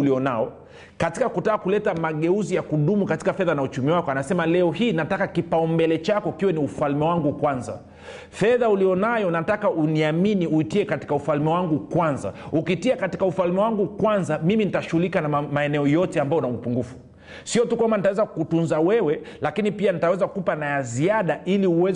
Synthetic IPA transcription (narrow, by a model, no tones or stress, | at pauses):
uliɔnaɔ | katikakutaːkulɛtamaɠɛuzijakuɗumukati̥kafɛðanaut͡ʃumiwakɔanasɛmalɛɔhiːnatakakipaɔmbɛlɛt͡ʃakɔikiwɛniufalmɛwaŋɡukwanza̰ | fɛðaulijɔnajɔnatakaʔuniaminiuitiɛkati̥kaufalmɛwaŋɡukwanza̰ukitiakati̥kaufalmɛwaŋɡukwanzamiminitaʃuhulikanamaɛnɛɔjɔtɛambajɔnamupuŋɡufu̥ | siɔtukwambanitawɛzakutunzawɛwɛlakinipianitawɛzakupanajaziaɗaʔiliuwɛz